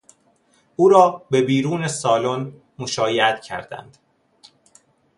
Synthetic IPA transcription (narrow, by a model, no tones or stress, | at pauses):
ʔuːɾɒːbe̞biːɾuːnesɒːlon | moʃɒːjeæt̪cʰæ̰ɾd̪æ̰nd̪̥